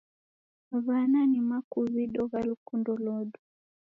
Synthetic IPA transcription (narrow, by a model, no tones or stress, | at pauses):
βananimakuβiɗɔɣalukundɔlɔɗu